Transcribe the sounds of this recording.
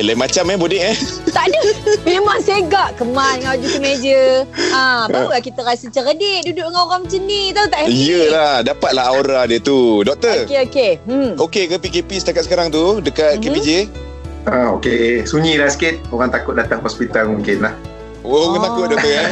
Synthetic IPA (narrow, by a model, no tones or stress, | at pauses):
lamat͡ʃamɛbodɛʔɛt̪aʔdəmemaŋsaəɡaʔkəmalŋaad͡ʒuk̪əmed͡ʒəaaapəlahkit̪əɾasət͡ʃəɾədeʔdudʊʔŋaoɣamət͡ʃənit̪aut̪aʔijəlahdapat̪̚laɦaoɾadiət̪udɔk̚t̪əkeokeokekəpikepisə̥t̪akat̪̚səkaɾaŋt̪udəkat̪̚kepid͡ʒe | aokesuɲilahsə̥kɪt̪̚oɣaŋt̪akʊt̪̚dat̪aŋɦɔspit̪almuŋkɪnlah | okat̪akʊt̚dɔkəa